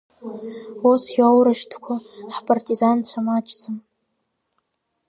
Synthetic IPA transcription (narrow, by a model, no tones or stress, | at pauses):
osjawɾaʃtʰkʷʰaħpʼartʼizant͡ɕʷʰamat͡ʃʼt͡sʷʰʼɨm